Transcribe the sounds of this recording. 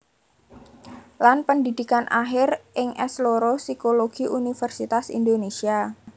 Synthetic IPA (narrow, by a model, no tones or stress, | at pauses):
lanpəndidikanʔaɦɪrʔɪŋʔɛ̰sloɾosikoloɡ̥iʔunifərsit̪asḭndonesia